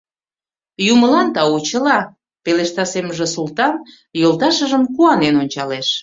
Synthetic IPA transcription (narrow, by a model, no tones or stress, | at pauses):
juməlɑnt̪ɑut͡ɕəlɑ | peleʃt̪ɑseməʒĕsult̪ɑn | jolˠt̪ɑʃəʒəmkuɑnenonʲt͡ɕɑleʃ